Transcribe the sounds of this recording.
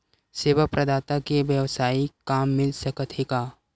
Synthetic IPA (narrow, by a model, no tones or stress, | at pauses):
seːʋək̚pɾɐd̪aːt̪akeʋjəʋsaːikaːmːɪlsɐkət̪ʰeːɡaː